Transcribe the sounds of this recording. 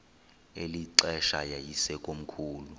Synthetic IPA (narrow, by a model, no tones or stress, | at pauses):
eliǀɛʃajajisɛkʼom̩kʰuːlu